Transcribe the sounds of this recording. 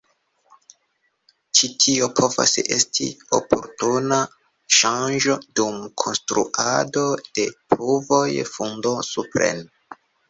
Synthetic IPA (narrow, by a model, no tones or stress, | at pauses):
t͡ʃitʰiopʰo̞va̰se̞̰stḭo̰pʰo̞̰ɾtuna | ʃand͡ʒo̞dumkʰo̞nstɾṵʔado̞d̥e̞pɾuvo̞jfundo̞supɾe̞̰n